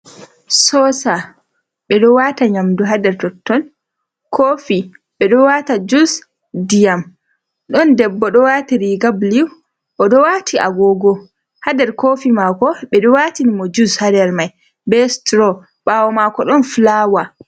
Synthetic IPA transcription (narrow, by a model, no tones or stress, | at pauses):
sɔsa | ɓɛɗɔwataɲamduɦadɛɾtɔtːɔn | kʰoːfi | ɓɛɗɔwatad͡ʒus | dijam | ɗɔndɛbːɔɗɔwatiɾiɡabliw | ʔɔɗɔwatʰia̰ɡɔːɡɔ | hadɛɾkoːfimakɔɓɛɗɔwatinimɔd͡ʒushadɛɾmaj | bɛstɾɔ | ɓawɔmakɔɗɔnflawa